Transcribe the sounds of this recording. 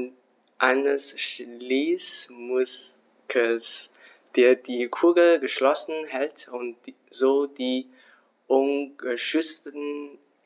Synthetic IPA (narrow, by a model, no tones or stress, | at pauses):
ʔaɪnəsʃliːsmʊs | kʰəs | d̥eːɐdiːkʰuɐɡl̩ɡəʃlɔsn̩ɦɛltʊnt | z̥oːdiː | ʔʊnɡəʃʏt͡stən̩